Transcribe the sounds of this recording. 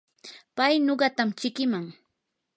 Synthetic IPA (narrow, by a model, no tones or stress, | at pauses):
pajnoɢɑt̪amt͡ʃɪkɪmaŋ